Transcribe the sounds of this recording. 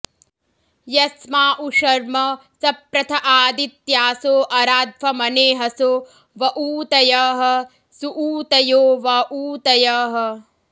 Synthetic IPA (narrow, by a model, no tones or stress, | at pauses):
jɐsmaːʔuʂɐɾmɐsɐpɾɐt̪ʰɐʔaːd̪it̪jaːsoːʔɐɾaːd̪̚fʰɐmɐneːɦɐsoː | ʋɐʔuːt̪ɐjɐɦɐ̆ | suʔuːt̪ɐjoːʋɐʔuːt̪ɐjɐːɦɐ̆